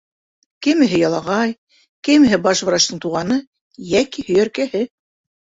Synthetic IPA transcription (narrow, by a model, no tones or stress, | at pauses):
kɘ̆mɘ̆ɦɘjɑlˠɑʁɑj | kɘ̆mɘ̆ɦɘbɑʃvɾɑʃt̪ɤ̆ɴt̪uʁɑnɤ | jækihɵ̆jæɾkæhɘ